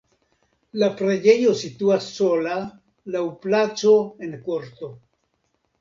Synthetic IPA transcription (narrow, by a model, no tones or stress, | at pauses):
lapɾed͡ʒe̞jo̞situasːo̞la | lawplat͡so̞e̞nkoɾt̪o̞